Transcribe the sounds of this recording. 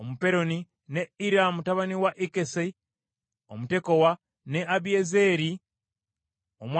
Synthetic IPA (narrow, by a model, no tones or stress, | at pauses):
omupe̞ɾo̞ni | neiɾamutaβaniwaʔikese | omute̞kowa | neʔaβiezeɾi | omw